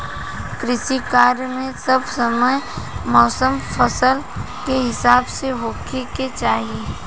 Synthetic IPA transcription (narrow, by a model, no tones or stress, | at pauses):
kɾɪʃikaːɾjmẽsɐbsəməjmɔːsəmpʰəsəl | keɦɪsaːbseɦoːkʰeket͡ʃaːɦie